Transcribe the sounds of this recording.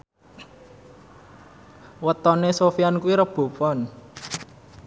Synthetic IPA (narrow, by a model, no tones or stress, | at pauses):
wət̪ɔnesofiankuwiɾəb̥o̤pɔn